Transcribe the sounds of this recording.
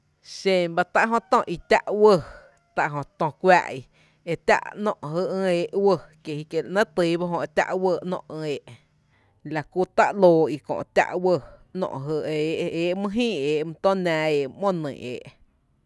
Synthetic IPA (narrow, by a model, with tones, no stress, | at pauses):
ʃẽ˧˨ba˧t̪a˦ʔɦõ˧t̪ɔ̃˧ʔi˧t̪ʲa̰˦ʔwə˧ | t̪a˧ʔɦõ˧t̪õ˧kʷa̰ː˦˧ʔi˧ | e˧t̪ʲa̰˦ʔnɔ̰̃˧ʔɦə˧ʔə̃˧eː˧ʔwə˧ke˧˨hi˧ke˧˨lʔnə̃˦t̪ɨ˧˦ba˦ɦõ˧e˧t̪ʲa̰˦˧ʔwə˧˨nɔ̰̃˧ʔə̃˧eː˨ʔ | la˧ku˧t̪a̰˦ʔloː˧i˧kõ̰˨ʔt̪ʲa̰˦ʔwə˧nɔ̰̃˧ʔɦə˧e˨ʔeː˨ʔmɨ̃˦˧ɦĩː˦˨eː˨ʔm̃˧t̪õ˦næ̃ː˧eː˨ʔmõ˦nɨ̰̃˨ḛː˨ʔ